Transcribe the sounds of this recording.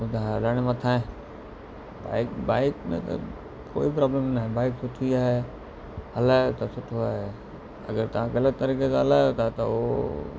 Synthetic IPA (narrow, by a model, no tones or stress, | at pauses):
ʊd̪ʱaɦlɐɽ̃emɐ̃t̪ʰaːɦẽ | ba̰ːɪkbaːɪkmḛ̃t̪ɐ̰ | ko̰ːipɾaːblemnaɦẽbaːɪksʊʈʰiaːɦe | ɦɐlaːot̪ɐsʊʈʰoaːɦe | ɐ̰ɡəɾt̪ɐʋ̤ãkɐlət̪ːɐɾiːkekãɦɐlaːjot̪ʰat̪ɐ̰o̰